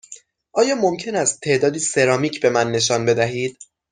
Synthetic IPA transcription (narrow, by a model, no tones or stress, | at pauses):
ʔɒːjɒːmomcʰe̞næst̪ʰːe̞ʔd̪ɒːd̪iːse̞ɾɒːmiːcʰbe̞mænːe̞ʃɒːnbe̞d̪æɦiːd̪̥̚